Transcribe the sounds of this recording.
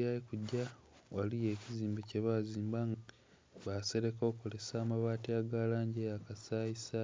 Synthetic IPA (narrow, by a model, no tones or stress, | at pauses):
aikuɟːa | walije̞ːciziːmbeceβaːziːmbaŋ | βase̞ɾe̞ko̞ːkole̞saːmaβaːtiaɡaːlaːɲɟejakasaːisa